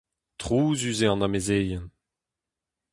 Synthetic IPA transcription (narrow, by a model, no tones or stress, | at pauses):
tʁuːzyzeɑ̃namezeːjɛn